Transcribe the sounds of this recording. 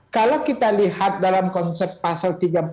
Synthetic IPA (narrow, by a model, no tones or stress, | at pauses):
kalawkit̪alihat̪̚dalamkɔnsɛp̚t̪̚pasalt̪iɡa